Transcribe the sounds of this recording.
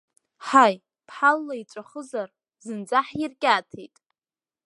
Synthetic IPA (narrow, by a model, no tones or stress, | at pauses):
ħaj | pʰħalːait͡ʃʷʼaχəzar | zɨnd͡zaħirkʲʼaːtʰḛjtʼ